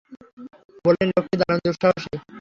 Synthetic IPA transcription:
bolenɾokʰːid̪aɾond̪uɾʃɔɦoʃe

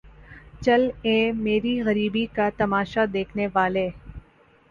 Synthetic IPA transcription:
t͡ʃɐlẽːmeːɾiɣɐɾiːbikat̪ɐmaːʃad̪eːkʰneʋaːleː

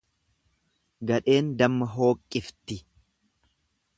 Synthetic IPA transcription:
ɡɐᶑe̞ːnd̪ɐmːɐɦo̞ːkʼːɪft̪ɪ

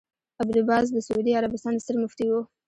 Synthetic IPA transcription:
abd̪ʊbɑzd̪əsʊud̪iaɾabɪst̪ɑnd̪əst̪əɾmʊft̪iwu

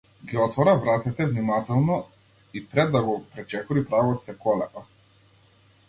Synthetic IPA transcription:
ɡiɔt̪vɔɾavɾat̪ɛt̪ɛvnimat̪ɛlˠnɔ | ipɾɛd̪ːaɡɔpɾɛt͡ʃɛkuɾipɾavɔt̪sɛkɔlɛpa

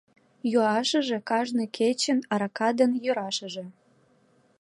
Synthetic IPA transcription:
juɑʃə̆ʒĕkɑʒnɤkʰet͡ɕə̆nɑɾɑkɑd̪ənjøɾɑʃə̆ʒĕ

